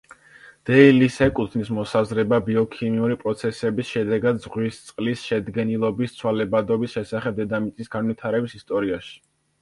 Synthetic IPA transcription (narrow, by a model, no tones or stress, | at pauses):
d̪̥ɛilisɛkʼut̪ʰnismɔsazɾɛbabiɔkʰimiuɾipʼɾɔt̪sʰɛsɛbisʃɛd̪ɛɡad̪zʁwist̪sʼqʼlisʃɛd̪ɡɛnilˠɔbist̪sʰwalɛbad̪ɔbisʃɛsaχɛb̚d̪ɛd̪amit̪sʼisɡanwit̪ʰaɾɛbisist̪ʼɔɾiaʃi̥